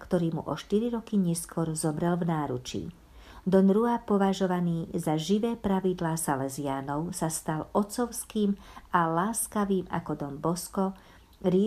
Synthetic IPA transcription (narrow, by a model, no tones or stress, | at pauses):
kt̪ɔɾiːmṵʔɔʃt̪iɾiɾɔkiɲɛskʊɔɾzɔmɾɛlvnaːɾṵt͡ʃḭː | d̪ɔnɾuapɔʋaʒɔʋaniːzaʒiʋɛːpɾaʋid̪laːsalɛziaːnɔʊsast̪alɔt͡sɔʊskiːmalaːskaʋiːma̰kɔd̪ɔmbɔskɔ | ɾɪ